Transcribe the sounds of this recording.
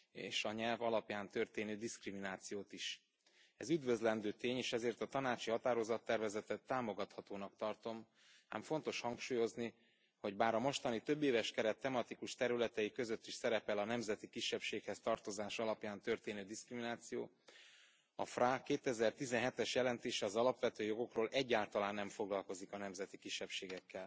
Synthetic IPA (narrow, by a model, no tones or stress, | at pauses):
ḛːʃɒɲɛlvɒlɒpjaːnt̪ø̞rt̪eːnøːd̪iskriminaːt̪sijoːt̪iʃ | ɛzyd̪vø̞zlɛnd̪øːt̪eːɲeːʃɛzeːrt̪ɒt̪ɒnaːt͡ʃihɒt̪aːɾo̞zɒt̪ːɛrvɛzɛt̪ɛt̪ːaːmo̞ɡɒt̪hɒt̪oːnɒk̚t̪ɒrt̪o̞m | a̰ːmfo̞nt̪o̞ʃhɒŋkʃuːjo̞zni | ho̞ɟbaːɾɒmo̞ʃt̪ɒnit̪øbːeːvɛʃkɛɾɛt̪ːɛmɒt̪ikuʃt̪ɛɾylɛt̪ɛjikø̞zø̞t̪ːiʃsɛɾɛpɛlɒnɛmzɛt̪ikiʃːɛpʃeːkhɛst̪ɒrt̪o̞zaːʃɒlɒpjaːnt̪ø̞rt̪eːnøːd̪iskriminaːt̪sijoː | ɒ̰frakːeːt̪ɛzɛrt̪izɛnɦɛt̪ɛʃjɛlɛnt̪eːʃɛɒzɒlɒpʋɛt̪øːjo̞ɡo̞kroːlʔɛɟːaːlt̪ɒlaːnːɛɱfo̞ɡlɒlko̞zikɒnɛmzɛt̪ikiʃːɛpʃeːɡɛkːɛl